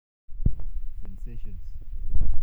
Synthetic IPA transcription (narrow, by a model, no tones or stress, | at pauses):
sɛ̃nseʃə̃ns